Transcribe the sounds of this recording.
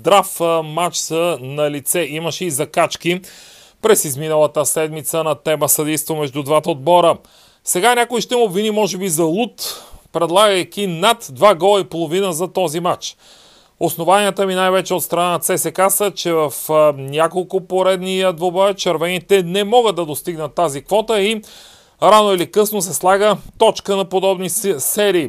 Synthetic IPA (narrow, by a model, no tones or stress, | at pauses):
d̪ɾafmat͡ʃsənɐlit̪sɛʔiməʃɛizɐkat͡ʃki | pɾɛsizminəlˠət̪əsɛd̪mit̪sənɐt̪ɛməsɐd̪ɛjst̪vomɛʒd̪ud̪vat̪əod̪̚bɔɾə | sɛɡanʲakoiʃt̪ɛmobvinimɔʒɛbizɐlˠut̪pɾɛd̪lˠaɡəjk̟inat̪d̪vaɡɔlˠɐipolˠovinəzɐt̪ɔzimat͡ʃ | osnovaniət̪əminajvɛt͡ʃɛot̪st̪ɾɐnanɐt̪sɛsɛkasət͡ʃɛvəfnʲakolˠkʊpoɾɛd̪nijəd̪vobət͡ʃɐɾvɛnit̪ɛnɛmɔɡəd̪ːɐd̪ost̪iɡnət̪ːazikvɔt̪əi | ɾanoɛlikɤsnos̬ɛslˠaɡət̪ɔt͡ʃkənɐpod̪ɔbnisɛɾiː